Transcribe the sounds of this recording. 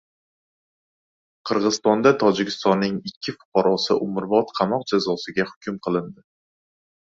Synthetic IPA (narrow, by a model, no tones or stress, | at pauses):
qʰɨɾʁɨzɨ̥st̪ɒnd̪at̪ʰɒd͡ʒɪkʲʰɪ̥st̪ɒnːɪŋɪkʲʰːɪfʊ̥qʰɑɾɒsɪʔʊmɾbɒt̪qʰɑmɒq̚d͡ʒazɒsɪɡʲahʊkʲʰʊmqʰɨlˠɪnd̪ɪ